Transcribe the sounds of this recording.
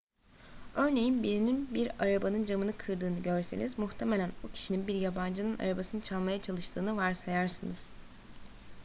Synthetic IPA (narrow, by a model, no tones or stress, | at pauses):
ø̞ɾne̞jinbiɾininbiɾaɾabanɯnd͡ʒamɯnɯkʰɯɾd̪ɯːnɯɟøɾse̞nizmuxt̪ʰemelʲænbucʰi̥ʃininbiɾjaband͡ʒɯnɯna̰ɾabasɯnɯt͡ʃʰalˠmajat͡ʃʰalˠɯʃt̪ʰɯːnɯvaɾsajaɾsɯnɯz̥